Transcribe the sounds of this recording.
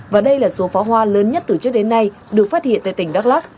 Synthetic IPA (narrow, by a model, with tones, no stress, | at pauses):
vaː˨˩ɗə˧jlaː˨˩so˨˦faː˨˦wɦwaː˧ləː˨˦nɲə˦˥t̚t̪ɨ˨˩t͡ɕɨ˦˥ək̚ɗe˨˦nːa˧j | ɗɨ˨˩ək̚faː˦˥t̚hḭ˧˨nt̪a̰ː˧˨t̪ï˧˩ŋ̟ɗaː˦˥k̚laː˦˥k̚